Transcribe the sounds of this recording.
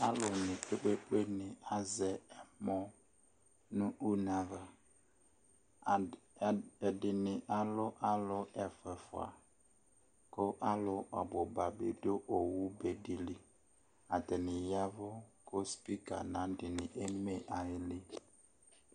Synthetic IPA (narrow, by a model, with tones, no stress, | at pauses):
a˦lʊ˨nɪ̃˨k͡pe˦k͡pe˦k͡pe˦nɪ˨a˨zɛ˨ɛ˨mɔ˦ | nʊ̃˦ʔu˦na˨va˨ | ɛ˨dɪ˨nɪ̃˨ʔa˨lʊ˦ʔa˦lʊ˦ɛ˨fɛ˨fʊ̰˨a̰˨ | kʊ˦ʔa˦lʊ˨ʔɔ̰˨bʊ˨ba˨bɪ˦do˦ʔo˨wu˦be˨di˨li˦ | a˨tɛ˨nɪ˨ja˦vʊ˦kʊ˦spi˦ka̰˨nã˨˦dɪ˨nɪ̃˨ʔe˦me˦ʔa˨jɪ˦lɪ˦